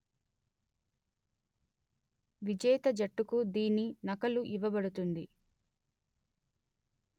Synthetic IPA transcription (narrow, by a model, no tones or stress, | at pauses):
ʋid͡ʒɐjt̪ɐd͡ʒɐʈːukud̪iːninɐkɐluʔiʋɐbɐɽut̪und̪i